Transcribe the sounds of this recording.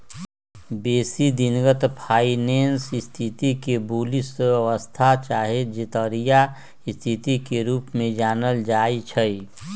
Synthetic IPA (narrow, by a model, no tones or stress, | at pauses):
beːsid̪inɡət̪pʰaːineːnsɪst̪ʰit̪ikebuːlisəʋəst̪ʰat͡ʃaːɦed͡ʒɪt̪əɾija | ɪst̪ʰit̪ikeɾuːpmẽd͡ʒaːnəld͡ʒaːit͡ʃʰəi